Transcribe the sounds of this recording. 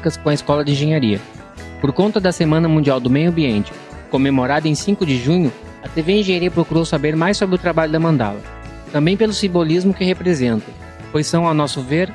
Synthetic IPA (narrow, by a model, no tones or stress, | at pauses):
kɐskõɐɪskɔlɐd͡ʒɪĩʒẽɲaɾiɐ̰ | poɾkõnt̪ɐd̪ɐsemɐ̃nɐmũnd͡ʒiawd̪ʊmejʊɐ̃mbiẽnt͡ʃɪ̥ | kõmemoɾad̪ɐẽj̃sĩkʊd͡ʒɪʒũɲʊ | ɐt̪eveĩʒẽɲaɾiɐpɾokuɾowsabeɾmajsobɾɪʊt̪ɾabaʎʊd̪ɐmɐ̃nd̪a̰lɐ̰ | t̪ɐ̃mbẽj̃pelʊsĩmbolizmʊkɪhepɾezẽnt̪ɐ | pojsɐ̃w̃ɐnɔsʊveɾ